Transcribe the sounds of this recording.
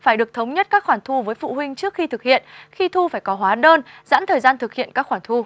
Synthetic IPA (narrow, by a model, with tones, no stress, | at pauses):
faː˩jɗɨ˨˩ək̚t̪ʰə˨˦wŋ͡mɲə˦˥t̚kaː˦˥kxwaː˧˩ŋt̪ʰu˧vəː˨˦jfṵ˧˨ɦwï˧ŋ̟t͡ɕɨ˦˥ək̚xi˧t̪ʰɨ˨˩k̚hḭ˧˨ənxi˧t̪ʰu˧faː˧˩jkɔ˨˦ɦwaː˨˦ɗəː˧nza̰ː˧˥nt̪ʰəː˨˩jzaː˧nt̪ʰɨ˨˩k̚hḭ˧˨ənkaː˦˥k̚xwaː˧˩nt̪ʰu˧